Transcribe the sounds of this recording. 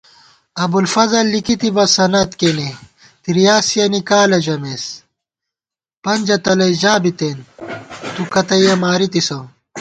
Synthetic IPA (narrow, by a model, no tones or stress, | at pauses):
ɐbulfɐzɐlːikit̪ibɐsɐnɐt̪kene | t̪iɾijaːsijɐnikaːlɐʑɐmeːs | pɐnʲd͡ʑɐt̪ɐlɐid͡ʑaːbit̪eːnt̪ukɐt̪ɐjɐmaːɾit̪isɐ